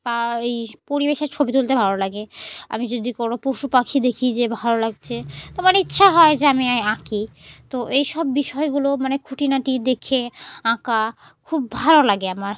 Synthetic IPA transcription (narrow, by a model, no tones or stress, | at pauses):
baejpoɾibeʃeɾt͡ɕʰobit̪ult̪ebʱalolaɡea̰mid͡ʑod̪ikonopoʃupakʰid̪ekʰid͡ʑebʱalolaɡ̚t͡ɕʰet̪omaneitːɕʰaɦɔed͡ʑeamiajãkit̪oʔejʃɔbːiʃɔeɡulomanekʰuʈinaʈid̪ekʰeãka | kʰubːʱalolaɡeamaɾ